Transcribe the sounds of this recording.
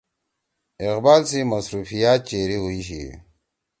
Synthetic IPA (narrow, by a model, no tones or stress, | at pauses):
ɪqbaːlsimɐsɾuːfijaːt̪̚t͡ɕeːɾiɦuiɕḭ